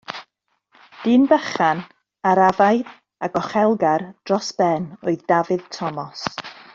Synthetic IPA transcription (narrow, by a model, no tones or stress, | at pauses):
d̥ɨːnbəχan | aɾavajð | aɡɔχɛlˠɡard̥rɔsb̥ɛnoɨðdavɨð̥tʰɔmɔs